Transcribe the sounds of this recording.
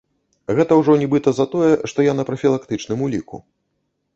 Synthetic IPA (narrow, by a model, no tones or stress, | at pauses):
ɣɛt̪ɐwʐɔnʲibɨt̪ɐzɐt̪ɔjɛʂt̪ɔjanɐpɾɐfʲilˠakt̪ɨt͡ʂnɨmulʲikṵ